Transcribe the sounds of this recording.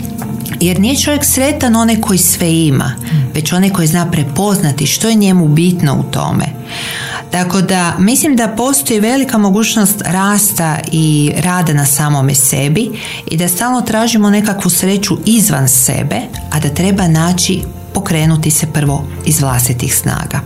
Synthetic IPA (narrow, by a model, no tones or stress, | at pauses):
je̞ɾnije̞t͡ʃo̞ʋjeksɾe̞t̪ano̞nekʰo̞jisʋe̞ima̰ | ʋe̞t͡ɕo̞neko̞jiznaːpɾe̞po̞znat̪iʃt̪o̞je̞ɲe̞mubit̪no̞̰ṵt̪o̞̰mḛ | t̪ako̞d̪amislimd̪apo̞ːst̪o̞jiʋe̞likamo̞ɡuːt͡ʃno̞st̪ɾaːst̪aiɾaːd̪anasaːmomesebi | ḭd̪ast̪aːlno̞t̪ɾaːʒimo̞ne̞kakʋusɾe̞t͡ʃuʔizʋa̰nsḛbe̞ | ad̪at̪ɾe̞banaːt͡ʃi | po̞kɾe̞ːnut̪isepr̩ʋo̞ | izʋlˠa̰st̪it̪ixsna̰ːɡa̰